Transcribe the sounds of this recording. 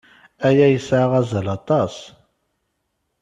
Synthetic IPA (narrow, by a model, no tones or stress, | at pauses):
æjæjəsʕaʁæzælɑt̪ˤɑs